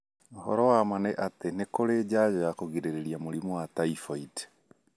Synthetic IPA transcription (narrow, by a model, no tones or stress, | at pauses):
hɔ̰ɾɔwamaneʔatenekoɾed͡ʑad͡ʑɔjakoɣiɾeɾeɾiamoɾimuwataifɔid